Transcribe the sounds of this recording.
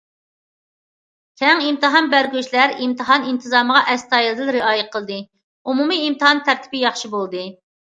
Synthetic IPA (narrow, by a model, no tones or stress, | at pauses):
kʲʰɛŋimt̪ɨɦɑnbæɾɡʲyʃlæɾimt̪ʰɨɦɑnint̪ʰɨzɑːməʁɑʔɛst̪ɑːjilˠɨd̪ɪnɾɪɑːjɛqʰəlˠd̪ɨ | umumiːmt̪ɨhɑnt̪ʰæɾt̪ʰɪ̥bɪjɑχʃibolˠd̪ɨ